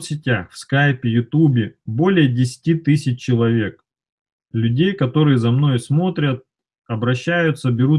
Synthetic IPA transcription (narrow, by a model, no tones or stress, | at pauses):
t̪sʲɪtʲaxfskajpʲɪjʊt̪ubʲɪbo̞lʲɪjədʲɪsʲɪ̥tʲit̪ɨsʲɪt͡ɕt͡ɕːɪlˠɐvʲe̞k̚ | lʲʉdʲejkɐt̪o̞ɾɨjəzɐmno̞jsmo̞t̪ɾʲət̪̚ | ɐbɾɐɕːæjʊt̪səbʲɪɾu